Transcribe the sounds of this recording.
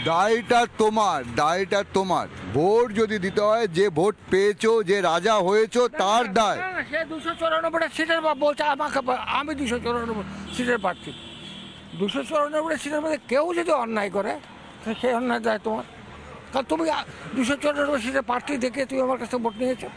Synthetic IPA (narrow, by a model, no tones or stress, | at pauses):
d̪ajʈat̪omaɾd̪ajʈat̪oma̰ɾbʱoʈd͡ʑod̪id̪it̪eɦɔed͡ʑebʱoʈpeet͡ɕʰod͡ʑeɾad͡ʑaɦojet͡ɕʰot̪aɾd̪aeaʃed̪uʃot͡ɕoɾonobʱoʈeɾsiʈeɾbabolt͡ʃʰeamakepamid̪uʃot͡ɕoɾonoboɾsiʈeɾpaɾt̪ʰi | d̪uʃot͡ɕoɾonobʱoʈeɾsiʈeɾmod̪ʱːekewd͡ʑod̪iɔnːajkoɾe | ʃeɔnːaed̪aet̪omaɾ | kaɾot̪umiad̪uʃot͡ɕoɾononoboɾs̬iʈeɾpaɾʈ̪ʰid̪ekʰiet̪umiamaɾkat͡ɕʰt̪ʰekebʱoʈniet͡ɕʰo